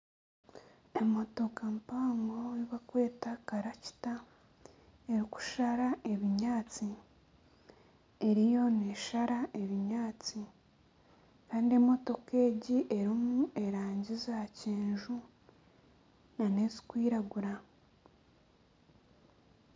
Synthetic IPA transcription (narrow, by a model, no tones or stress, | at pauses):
e̞mo̞to̞kampaːŋɡoiβakwe̞ːtakaɾaci̥ta | eɾiku̥ʃaɾaʔe̞βiɲaːt͡si | e̞ɾijo̞ne̞ʃaɾaʔe̞βiɲaːt͡si | kaːndie̞mo̞to̞ke̞ːɟiʔe̞ɾimue̞ɾaːɲɟizaceːɲʒu | nane̞zi̥kwiːɾaɡuɾa